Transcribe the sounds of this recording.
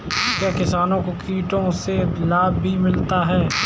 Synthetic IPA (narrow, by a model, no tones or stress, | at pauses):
kjakɪsaːnõkokiːʈõselaːbːʱimɪlt̪aɦɛː